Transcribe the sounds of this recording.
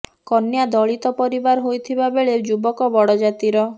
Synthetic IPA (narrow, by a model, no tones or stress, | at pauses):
kɔnjad̪ɔɭit̪ɔpɔɾibaɾɦojt̪ʰibabeɭed͡ʒubɔkɔbɔɽɔd͡ʒat̪iɾɔ